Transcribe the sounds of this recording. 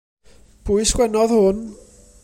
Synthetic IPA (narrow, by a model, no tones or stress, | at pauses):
pʰuɨsɡ̥wɛnɔðhʊn